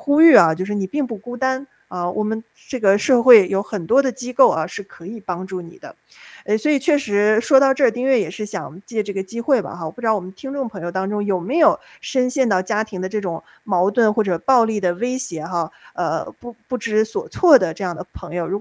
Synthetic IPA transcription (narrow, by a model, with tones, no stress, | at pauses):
xu˥y˥˩ɐ˩t͡ɕjo˥˧ʊʂɻ̩˥˩ni˨˩pi˥˧ŋpu˥˩ku˥t̪a˥n | ɐ˥˩wʔɔ̰˨˩mə˦n | ʈ͡ʂɤ˥˩ɡə˩ʂɤ˥˧xwe˥˩ɪjo˧˥ʊxə˨˩nt̪wɔ˥d̪ə˨t͡ɕi˥ko˥˩ʊʔɐ˩ʂɻ̩˥˩kʰɤ˧˥i˨˩pɑ˥ŋʈ͡ʂu˥˩nḭ˨˩d̪ə̰˦ | ə˥˧swɔ˧˥i˨˩t͡ɕʰɥɛ˥˩ʂɻ̩˧˥ʂwɔ˥t̪ɑ˥˧ʊʈ͡ʂɤ˥˩t̪i˥˧ŋɥɛ˥˩jɛ˨˩ʂɻ̩˥˩ɕjɑ̰˨˩ŋt͡ɕjɛ˥˩ʈ͡ʂɤ˥˩ɡə˩t͡ɕi˥xwe˥˩ɪbɐ̰˩xa˧˩wɔ˩p̪ɑ˥wɔ˨˩mə˦nt̪ʰi˥ŋʈ͡ʂʊ˥˩ŋpʰɤ˧˥ŋjo˧ʊt̪ɑ˥ŋʈ͡ʂʊ˥ŋjo˨˩ʊme˧˥ɪjo˨˩ʊʂə˥nɕjɛ˥˧nt̪ɑ˥˩ʊt͡ɕja˥t̪ʰi˧˥ŋd̪ə˧ʈ͡ʂɤ˥˩ʈ͡ʂʊ˨˩ŋ | mɑ˧˥ʊt̪wə˥˩nxwɔ˥˩ʈ͡ʂɤ˨˩pɑ˥˧ʊli˥˩d̪ə˩we˥ɪɕjɛ˧˥xa˥˧ə̰˧pu˥˧pu˥˩ʈ͡ʂɻ̩˧˥swɔ˨˩t͡sʰwɔ˥˩d̪ə˩ʈ͡ʂɤ˥˧jɑ˥˩ŋd̪ə˩pʰɤ˧˥ŋjo˧ʊɻu˧˥k